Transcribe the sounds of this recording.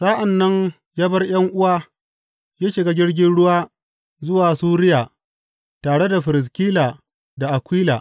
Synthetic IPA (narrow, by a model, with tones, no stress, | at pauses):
sa˦ʔa˨nːɐ˦ɲ | jaː˦bɐ˦rj̰ɐ˦ŋʔʊ˦waː˦ | jaː˦ʃɪ˨ɡa˦d͡ʒɪ˦rɡʲɪ˦nɽʊ˦waː˦ | zʊ˦waː˨suː˦ɾɪ˦jaː˨ | taː˨ɽe˦da˨ɸɪ˨ɾɪ˨s̬kʲiː˦laː˨ | da˨ʔa˨kʷiː˦laː˨